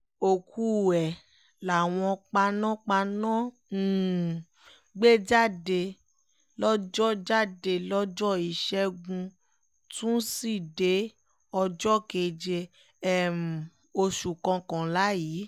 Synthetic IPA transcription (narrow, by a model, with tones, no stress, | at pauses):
o˨kʰu˧ɛ˨ | la˨w̃ɔ̃˧k͡pa˧nã˦k͡pa˧nã˦˨ | ɡ͡be˦d͡ʒa˦˨de˧ | lɔ˦d͡ʒɔ˦d͡ʒa˦˨de˧lɔ˦d͡ʒɔ˦i˨ʃɛ˦ɡũ˧ | tũ˦si˦˨de˨˦ | ɔ˧d͡ʒɔ˦ke˧d͡ʒe˧ | ɛ˨m̩˨ | o˧ʃu˨kã˧kã˨la˨˦ji˨˦